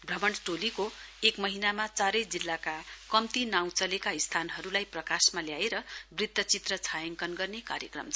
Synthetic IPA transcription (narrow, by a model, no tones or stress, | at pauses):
bʱrʌmʌɳʈoliko | ekmʌɦinamat͡saɾʌjd͡zilːakakʌmt̪inaw̃t͡sʌlekaist̪ʰanɦʌɾulajprʌkasmaljaeɾʌbrit̪ːʌt͡sit̪rʌt͡sʰajʌŋkʌnɡʌrneka̰ɾjʌkrʌ̰mt͡sʰʌ